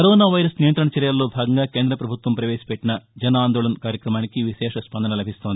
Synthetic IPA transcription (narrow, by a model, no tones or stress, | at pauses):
kɐɾoːnaːʋɐjɾɐsnijɐnt̪ɾɐɳɐt͡ʃɛɾjalːoːbʱaːɡɐŋɡaːkeːnd̪ɾɐpɾɐbʱut̪ʋɐmpɾɐʋeːsi̥pɛʈːinɐd͡ʒɛnaːnd̪oːɭɐnkaːɾjɐkɾɐmaːnikiʋiʃɛːʂɐspɐnd̪ɐnɐlɐbʱist̪o̞ːnd̪i